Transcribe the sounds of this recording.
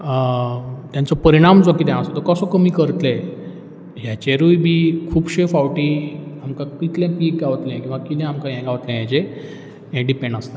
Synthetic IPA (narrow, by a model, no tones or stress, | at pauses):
t̪jant͡sɔpəɾiɽ̃amd͡zɔkit̪jãəsɔt̪əkəsɔkəmiːkəɾt̪lẽ | ɦjat͡ɕeɾujbʱiːkʰuːbɕefaʋʈiamkãkit̪ljɛ̃kiːɡɡaʋt̪lɛ̃kʲĩʋakit̪ɛ̃amkajɛ̃ɡaʋt̪lɛ̃jãt͡ɕe | jɛ̃ɖipẽɳɖəst̪a